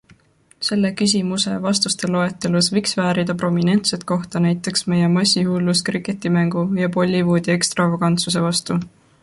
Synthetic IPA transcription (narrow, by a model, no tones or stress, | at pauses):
se̞lːe̞kys̬ʲimuse̞̰vɑst̪ust̪e̞lo̞e̞t̪ːˑe̞lusvijksvæːɾid̪̥ɑpro̞mine̞nt̪se̞t̪̚ko̞ht̪ɑnæjt̪ːˑe̞ksme̞jemɑsʲːihuːlːuskriket̪ːˑimæŋɡ̥ujɑpo̞lʲːivoːd̪̥ʲie̞kst̪rɑvoɡɑnt̪suse̞vɑst̪u